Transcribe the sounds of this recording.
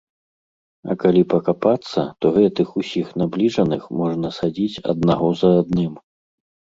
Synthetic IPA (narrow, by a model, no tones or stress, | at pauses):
ɐ̰kalʲipɐkapat̪sːɐ̰t̪ɔɣɛt̪ɨxusʲixnablʲiʐɐnɨxmɔʐnɐsad͡zʲit͡sʲɐ̰d̪̚naɣɔzɐːd̪nɨm